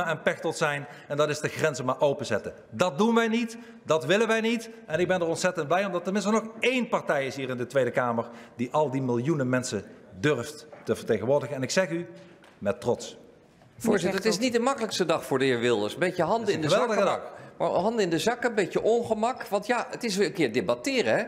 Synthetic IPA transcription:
aɛnpɛxtɔtsɛjn | ɛndɑtɪzdəxrɛnzəmaːɹʔowpənzɛtə | dɑt̚dunʋɛjnit | dɑtʋɪlənʋɛjnitʔɛnɪɡ̚bɛndəɹɔntsɛtənd̚blɛjɔmdɑtːəmɪ̃nstənɔχejnpɑɹtɛjɪsɦiːɹɪndətʋejdəkaːməɹdiʔɑlˠdimɪlˠjunəmɛnsədɵrfttəvəɹtejɣənʋʊːɹdəɣəɛnɪksɛχy | mɛtrɔts | vʊːɹzɪəətɪsnit̚dəmɑkələkstədɑχfʊːɹdəɪːɹʋɪlˠdəsəmbejkəɦɑndəɪndəɛlˠdəma̰ɦɑndɪndəzɑkəmbejcəʔɔnχəmɑkʋɑntjaətɪs̬əkɪːɹdebɑtɪːrəɦɛ

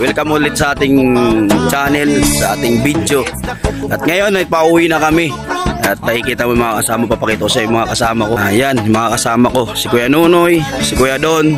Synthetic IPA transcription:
wɪlkɐmulɪt̪̚sɐʔaːt̪ɪŋt͡ʃaːnɛlsɐʔa̰ːt̪ɪŋbid̪jo̞ʔɐt̪̚ŋɐjo̞nɐjpɐʔuːwɪnɐkɐmɪ | ɐt̪̚nɐkɪkiːt̪ɐmomɐŋakɐsaːmɐpɐpɐkɛt̪osɐjʊŋmɐŋakɐsaːmɐkojanmɐŋakɐsaːmɐko̞sɪkʊjanuːnojsɪkʊjad̪oʔn

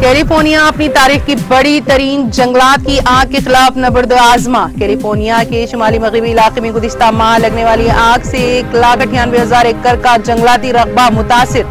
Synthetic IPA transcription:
kɛːlifoːɾnijaɐpnit̪aːɾiːxkibɐɽit̪ɐɾiːnd͡ʒɐ̃ŋɡlaːt̪̚kiʔãːkːexɪlaːfnɐbəɾd̪aːzmakɛːlifoːɾnijakeʃʊmaːlimɐɣɾɪbiɪlaːqemẽɡʊzɪʃt̪amaːlɐɡneʋaːliãːkʰseːklaːkɐʈʰijaːnbeːɦɐzaːɾekːəɾkad͡ʒɐ̃ŋɡlaːt̪iɾɐɣbamʊt̪aːsɪɾ

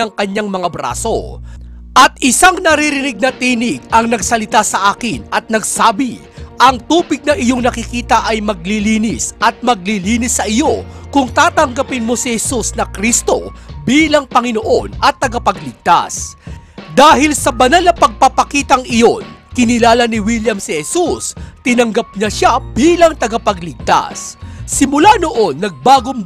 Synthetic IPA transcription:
ɐŋkɐɲːaŋmɐŋabɾa̰ːso̞̰ | ʔɐt̪̚ʔɪsaŋnɐɾiɾɪnɪɡ̚nɐt̪iːnɪɡ̚ɐŋnɐɡsɐlɪt̪asɐʔaːkɪnɐt̪̚nɐɡsaːbɪ | ʔɐŋt̪uːbɪɡ̚nɐʔɪjoŋnɐkɪkiːt̪ɐʔɐjmɐɡ̚liliːnɪsʔɐt̪̚mɐɡ̚liliːnɪsːɐʔɪjo̞kʊŋt̪aːt̪ɐŋɡɐpɪnmo̞sɪhɛsusnɐkɾist̪o̞biːlɐŋpɐŋɪno̞ʔo̞nɐt̪ːɐɡɐpɐɡlɪɡ̚t̪a̰s | d̪aːhɪlsɐbɐnalnɐpɐɡ̚papɐkiːt̪ɐŋʔɪjo̞nkɪnɪlaːlɐnɪwiljɐmsɪhɛsust̪ɪnɐŋɡɐp̚ɲɐʃabiːlɐŋt̪ɐɡapɐɡlɪɡ̚t̪a̰sːɪmʊlano̞ʔo̞nːɐɡ̚baːɡoŋ

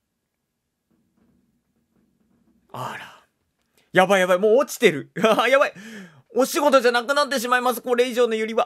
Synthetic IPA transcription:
aɾa | jabaijaβaimo̞ːt͡ɕi̥t̪e̞ɾɯ̟ajabai | oɕiɡo̞t̪o̞ʑanakɯ̟nat̪ːe̞ɕ̬imaimas̬ɨ̥koɾe̞iʑo̞ːno̞jɯɾʲiβa

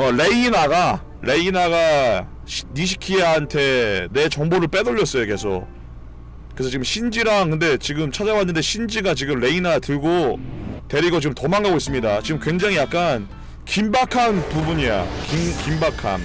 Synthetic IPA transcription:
ʌɾe̞inaɡa | ɾe̞inaɡa | ɕniɕ̬ʰi̥kʰiɦantʰe̞ne̞t͡ɕʌŋboɾɯɭp͈e̞doʎːʌs͈ʌjoke̞sʰo̰ | kɯɾesʰʌt͡ɕiɡɯmɕʰind͡ʑiɾaŋkɯnde̞t͡ɕiɡɯmt͡ɕʰad͡ʑawanːɯnde̞ɕʰind͡ʑiɡat͡ɕiɡɯmɾe̞inatɯɭɡote̞ɾiɡʌt͡ɕiɡɯmtʌmaŋɡaɡois͈ɯmɲidat͡ɕiɡɯmkwe̞ŋd͡ʑaŋijak̚k͈an | kimbakʰanpubuɲija̰kiŋkimbakʰa̰n

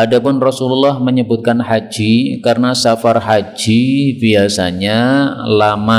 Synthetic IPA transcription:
adapʊnrɔsululːɔhməɲəbʊt̪̚kanɦad͡ʒikarənasafarɦad͡ʒibiasa̰ɲalama

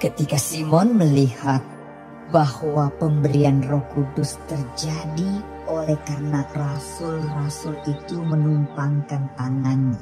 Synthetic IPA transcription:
kət̪ikasimɔnməlihat̪̚ | bahwapəmbəɾianrɔhkudʊst̪ərd͡ʒadi | olɛhkarənarasʊlrasʊlit̪umənumpaŋkant̪aŋanɲa

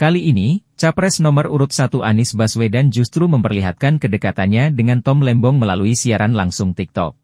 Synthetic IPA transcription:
kaliːnit͡ʃapɾɛsnɔməruɾʊt̪̚sat̪uʔanɪsbaswedand͡ʒust̪ɾuməmpərliɦat̪̚kankədəkat̪anɲadəŋant̪ɔmlɛmbɔŋməlaluisiaɾanlaŋsʊŋt̪ik̚t̪ɔ̰k̚

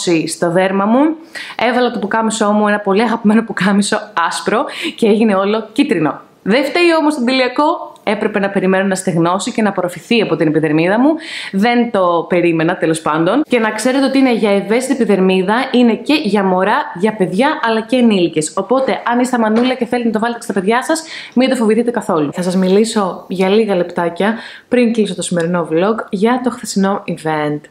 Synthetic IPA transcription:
sist̪o̞ðe̞ɾmɐmu | evɐlɐt̪opukɐmiso̞muenɐpo̞liɐɣɐpime̞no̞pukɐmiso̞ɐspɾo̞ce̞eʝine̞o̞lo̞cit̪ɾino̞̰ | ðeft̪eɾio̞most̪od̪eliɐko̞e̞pɾe̞pe̞nɐpe̞ɾime̞nonɐst̪eɣno̞sice̞nɐpoɾofiθiɐpo̞t̪inepiðe̞ɾmiðɐmuðe̞nt̪o̞pe̞ɾime̞nɐt̪e̞lo̞spɐnd̪o̞nce̞nɐkse̞ɾet̪eot̪iine̞ʝɐeve̞st̪iepiðe̞ɾmiðɐine̞ce̞ʝɐmo̞ɾɐʝɐpe̞ðʝɐʔɐlɐceːnilce̞so̞po̞t̪e̞ʔɐnist̪ɐmɐnulɐce̞θe̞lit̪nɐt̪oɐlet̪e̥st̪ɐpe̞ðʝɐsɐsmind̪ofo̞viθit̪e̞kɐθo̞luθɐsɐzmiliso̞ʝɐliɣɐlept̪ɐcɐ | pɾiŋkliso̞t̪o̞sime̞ɾino̞vlo̞kʝɐt̪o̞xθesino̞ive̞nt̪

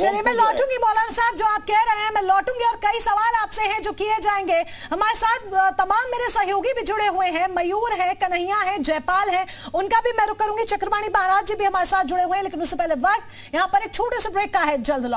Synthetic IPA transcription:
t͡ʃɐlemɛ̃ːlɔːʈũːŋɡimɔːləːnsaɦɪb̚d͡ʒoːaːp̚kɛɦɾɐɦẽɦɛ̃mɛ̃lɔːʈũːŋɡeɔːɾkɐisɐʋaːlaːpseɦɛ̃d͡ʒoːkied͡ʒaːẽːŋɡeː | ɦɐmaːɾesaːt̪̚ʰt̪ɐmaːmːeːɾesɐɦjoːɡibʱid͡ʒʊɽeɦueɦɛ̃mɐjuːɾɦɛ̃kɐnəɦijãɦɛ̃d͡ʒɛːpaːlɦɛ̃ | ʊnkabʱimɛ̃ɾʊkːɐɾũːŋɡit͡ʃɐkɾəbaːɽ̃imaɦaɾaːd͡ʒjəbʱiɦɐmaːɾesaːt̪̚ʰd͡ʒʊɽeɦuẽɦɛleːkɪnʊssepɛɦleʋɐkt̪ | jɐɦãpɐɾeːk̚t͡ʃʰoːʈesebɾeːkːaɦɛd͡ʒɐld̪ʱlɔː

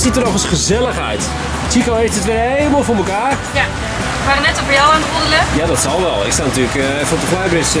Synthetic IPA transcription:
sitərnɔχəsχəzɛlˠəχœ̰ɥt | tikowhejftətʋɪɦejlˠəmalˠvʊːɹməkaːr | ja | faːrənɛtovəjɔwənχodələjadɔtsɑlˠʋɛlˠɪ̰kstanatyːlək | fɔntəχlajbɪs

